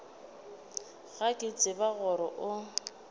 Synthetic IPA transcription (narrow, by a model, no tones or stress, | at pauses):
ɣakʼɪt͡sʼɪbaɣɔɾɔʔʊ